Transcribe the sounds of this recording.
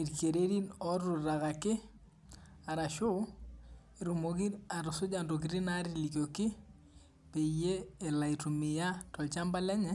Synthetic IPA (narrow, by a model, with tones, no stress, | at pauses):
i˨ɾke˨ɾe˦ɾi˦nɔ˦rʊ˨ɾa˨ɣa˨kɪ˦ | a˨ɾa˨ʃʊ˦ | i˨ɾo˨mo˨ki˦ɾa˨ɾʊ˨sʊ˦d͡ʒa˨ndo˨k̬iɾi˦na˦ɾili˨kjo˨kɪ˦ | pe˨ije˦ɛ˨la˨i˨tu˨mɪ˨ja˦tɔ˨lt͡ʃa˦mba˦lɛ˦ɲɛ˦